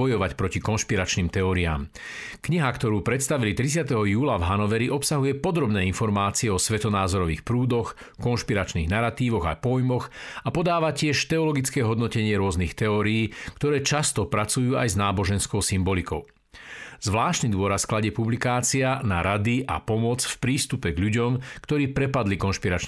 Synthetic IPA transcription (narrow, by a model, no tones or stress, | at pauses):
ɔjɔʋacpɾɔcikɔnʃpiɾat͡ʃniːmt̪ɛɔːɾia̰ːm | kɲiɦakt̪ɔɾuːpɾɛt̪st̪aʋilit̪ɾit͡sɪat̪ɛɦɔjuːlavɦanɔʋɛɾiʔɔpsaɦujɛpɔd̪ɾɔbnɛːinfɔɾmaːt͡siɛɔsʋɛt̪ɔnaːzɔɾɔʋḭːxpɾuːd̪ɔx | kɔnʃpiɾat͡ʃniːɣnaɾat̪iːʋɔɣa̰pɔjmɔxapɔd̪aːʋacɪɛʃt̪ɛɔlɔɡit͡skɛːɦɔd̪nɔcɛɲɪɛɾʊɔznixt̪ɛɔːɾiiːkt̪ɔɾɛːt͡ʃast̪ɔpɾat͡sujuːa̰jznaːbɔʒɛnskɔʊsimbɔlikɔʊ | zʋlaːʃt̪nid̪ʊɔɾasklaɟɛpublikaːt͡sianaɾad̪iʔa̰pɔmɔt͡sfpɾiːst̪upɛɡʎuɟɔmkt̪ɔɾiːpɾɛpad̪likɔnʃpiɾat͡ʃ